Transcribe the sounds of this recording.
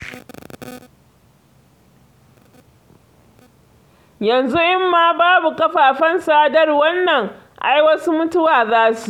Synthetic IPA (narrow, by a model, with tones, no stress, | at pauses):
jɐ˨nzu˦ʔɪ˦mːaː˨baː˦bu˨kɐ˦ɸaː˨ɸɐ˦nsa˦dɐ˦rwɐ˦nːɐ˨ŋ | ʔa˦jwɐ˦su˦mʊ˦tʊ˦waː˨zaː˦su̥˨